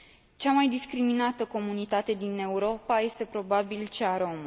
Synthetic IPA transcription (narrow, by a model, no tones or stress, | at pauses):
t͡ʃamajd̪iskɾiminat̪əko̞munit̪at̪e̞d̪ine̞uɾo̞paje̞st̪e̞pɾo̞babilt͡ʃaɾo̞m